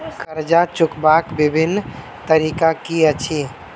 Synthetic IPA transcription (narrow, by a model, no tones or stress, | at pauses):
kəɾd͡ʒat͡ʃukbakbibʱinː | t̪əɾikakiət͡ʃʰi